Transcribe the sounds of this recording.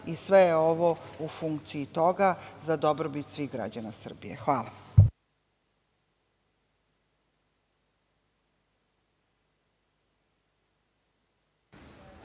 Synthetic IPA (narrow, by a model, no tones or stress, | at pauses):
isʋejeoʋoufuŋkt̪siit̪o̞ɡazad̪obɾobit̪sʋiɣɡɾa̰d͡ʑanasr̩bḭjḛxʋaːla